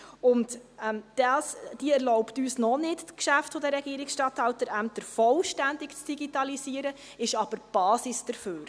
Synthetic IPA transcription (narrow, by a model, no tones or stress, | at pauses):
ʊntɛmd̥ɑːsd̥iəɛɾlɔʊptyːsnɔnɪtkʃæftfodəɾɛɡ̥iəɾɪksʃtɑthɑltəɾæmtəɾfɔlʃtændɪkt͡sd̥iɡitɑlisiːəɾə | ɪʃɑb̥əɾb̥ɑːsisd̥əɾføːɾ